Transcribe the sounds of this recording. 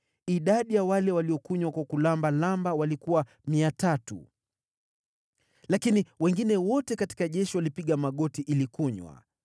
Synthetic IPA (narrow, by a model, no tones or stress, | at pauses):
iɗaɗijawalɛwaliɔkuɲwakwakulambalambawalikuwa | miatatṵ | lakiniwɛŋɡinɛwɔtɛkati̥kaʄɛʃiwalipiɠamaɠɔtiʔilikuɲwa̰